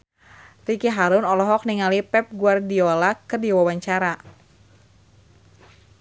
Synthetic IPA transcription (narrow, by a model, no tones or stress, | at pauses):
rikiɦaɾʊnɔlɔɦɔk̚niŋalipɛp̚ɡuardiolakərdiwawaɲt͡ʃaɾa